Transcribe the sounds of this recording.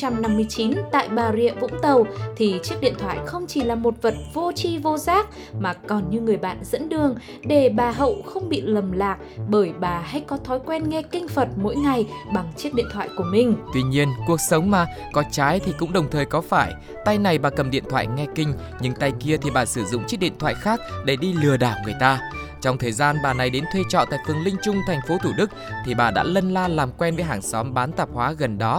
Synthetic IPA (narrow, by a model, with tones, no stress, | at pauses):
t͡ɕa˧mna˧mːɨ˧əjt͡ɕi˨˦nt̪a̰ː˧˨jɓaː˨˩zḭ˧˨əvʊ̰˧˥ŋ͡mt̪ə˨˩wt̪ʰi˨˩t͡ɕi˦˥ək̚ɗḭ˧˨ənt̪ʰwa̰ː˧˨jxə˧wŋ͡mt͡ɕi˧˩laː˨˩mo˨˩t̚və˨˩t̚vo˧t͡ɕi˧vo˧zaː˦˥k̚ | maː˨˩kɔ˨˩nɲɨ˧ŋɨ˨˩əjɓa̰ː˧˨nzə̰˧˥nɗɨ˨˩əŋ | ɗe˧˩ɓaː˨˩ɦə̰˧˨wxə˧wŋ͡mɓḭ˧˨lə˨˩mlaː˨˩k̚ɓəː˧˩jɓaː˨˩ɦa˧jkɔ˨˦t̪ʰɔ˨˦jkwɛ˧nŋɛ˧kï˧ŋ̟fə˨˩t̚mo̰˧˥jŋa˨˩jɓa˨˩ŋt͡ɕi˦˥ək̚ɗḭ˧˨ət̪ʰwa̰ː˧˨jku˧˩əmï˨˩ŋ̟t̪wi˧ɲi˧ənku˨˩ək̚sə˨˦wŋ͡mmaː˨˩ | kɔ˨˦t͡ɕaː˨˦jt̪ʰi˨˩kʊ̰˧˥ŋ͡mɗə˨˩wŋ͡mt̪ʰəː˨˩jkɔ˨˦faː˧˩j | t̪a˧jna˨˩jɓaː˨˩kə˨˩mɗḭ˧˨ənt̪ʰwa̰ː˧˨jŋɛ˧kï˧ŋ̟ | ɲɨ̰˧˦ŋt̪a˧jki˧ət̪ʰi˨˩ɓaː˨˩sɨ˧˩zʊ̰˧˨ŋ͡mt͡ɕi˦˥t̚ɗḭ˧˨nt̪ʰwa̰ː˧˨jxaː˦˥k̚ɗe˧˩ɗi˧lɨ˨˩əɗaː˧˩ŋɨ˨˩əjt̪aː˧ | t͡ɕɔ˧wŋ͡mt̪ʰəː˨˩jzaː˧nɓaː˨˩na˨˩jɗe˨˦nt̪ʰwe˧t͡ɕɔ̰˧˨nt̪a̰ː˧˨jfɨ˨˩əŋlï˧ŋ̟t͡ɕʊ˧ŋ͡mt̪ʰa˨˩jŋ̟fo˨˦t̪ʰu˧˩ɗɨ˦˥k̚t̪ʰi˨˩ɓaː˨˩ɗa̰ː˧˥lə˧nlaː˧laː˨˩mkwɛ˧nvəː˨˦jɦaː˧˩ŋsɔ˨˦mɓaː˨˦nt̪aː˨˩p̚hwaː˨˦ɣə˨˩nɗɔ˨˦